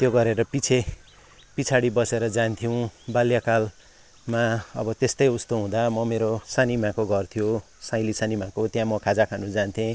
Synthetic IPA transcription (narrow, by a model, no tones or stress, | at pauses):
t̪joɡʌɾeɾʌpit͡sʰe | pit͡sʰaɽibʌseɾʌd͡zant̪ʰijuw̃baljakal | maʌ̰bʌt̪est̪ʌjust̪oɦũd̪amʌmeɾosanimãkoɡʱʌrt̪ʰijo | sãj̃lisanimãkot̪jãmʌkʰad͡zakʰanũd͡zant̪ʰẽ